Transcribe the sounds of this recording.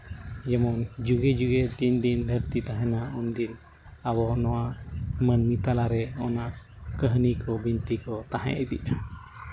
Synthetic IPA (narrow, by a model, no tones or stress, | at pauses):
d͡ʒɛmɔŋd͡ʒuɡɛd͡ʒuɡɛt̪iɲd̪ind̪ʱəɾt̪it̪aɦɛ̃naɔnd̪in | abɔnɔwamənmit̪alaɾɛɔnaʔkəɦnikɔbint̪ikɔt̪aɦɛ̰̃ʔɛd̪ḭʔa